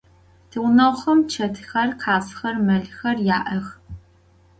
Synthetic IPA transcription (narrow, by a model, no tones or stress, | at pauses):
tʰɨwnɐχɐmt͡ʃʰɐtʰxɐrqʰaːsxɐrmɐɮxɐrjaːʔɐx